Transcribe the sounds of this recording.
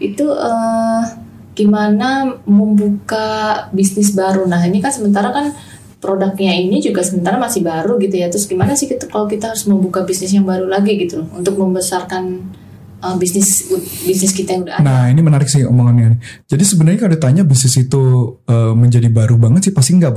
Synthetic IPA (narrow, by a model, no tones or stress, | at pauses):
it̪uə | ɡ̥imanaməmbukabisnɪs̬baɾunaɦaɲakansəmənt̪aɾakan | pɾodak̚ɲainid͡ʒuɡasəmənt̪aɾamasɪhbaɾuɡit̪ujat̪ɾʊsɡimanasɪhkit̪kalokit̪aɦaɾʊsməmbukabisnɪs̬jaŋbaɾulaɡiɡit̪ulʊhṵnt̪ʊk̚məmbəsarkan | əmbisnɪsbisnɪskit̪ajaŋudanainimənaɾɪksɪho̰moŋananid͡ʒadisəbənərɲakalut̪aɲabisnɪsit̪uəməɲd͡ʒadibaɾubaŋət̪sɪhpast̪iŋɡaʔb